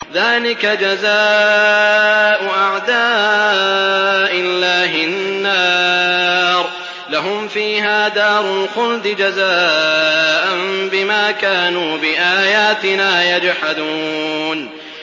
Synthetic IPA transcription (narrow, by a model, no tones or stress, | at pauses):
ðaːlɪkad͡ʒazaː | ʔʊʔaʕd̪aː | ʔɪlːaːɦɪnːaː | ɾˤ | laɦʊmfiːɦaːd̪aːɾˤʊlxʊld̪ɪd͡ʒazaː | ʔanbɪmaːkaːnuːbɪʔaːjaːt̪ɪnaːjad͡ʒħad̪uːn